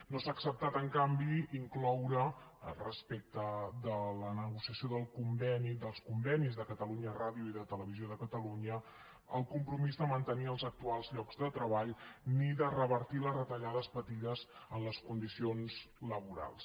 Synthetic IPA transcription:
nosaːksəp̚t̪at̪əŋkambiiŋklɔwɾəə̰lˠrəspek̚t̪əðələnəɣ̞usiəsioðəlˠkumbɛnid̪əlˠskumbɛnizðəkət̪əluɲəraðiuiðət̪ələβizijoðəkət̪əluɲə | əlˠkumpɾumizðəmənt̪əniəlˠzək̚t̪ualˠzʎɔɡzðət̪ɾəβaʎniðərəβəɾt̪iləzrət̪əʎaðəspət̪iðəzənləskund̪isionzləβuɾa̰lˠs

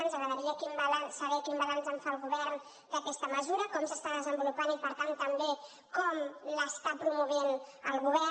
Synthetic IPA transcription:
ənzəɣɾəðəɾiəkimbəlansəβɛkimbəlanzəɱfalˠɣuβɛrn | d̪əkɛst̪əməzuɾəkɔmsəst̪aðəzəmbulupanipəɾt̪ant̪əmbe | kɔmləst̪apɾumuβ̞enəlˠɣuβ̞ɛ

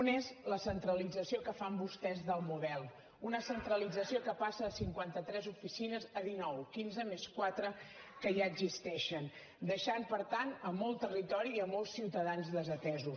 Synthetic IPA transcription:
unezləsənt̪ɾəlid͡zəsiokəfambust̪ɛzðəlˠmuðɛlˠ | unəsənt̪ɾəlid͡zəsiokəpasəːsiŋkwant̪ət̪ɾɛzufisinəzəðinɔwkinzəmeskwat̪ɾə | kəʒaəɡzist̪ɛʃən | d̪əʃanpəɾt̪anəmɔlˠt̪ərit̪ɔɾiəmɔlˠsːiwt̪əðanzðəzət̪ɛzus

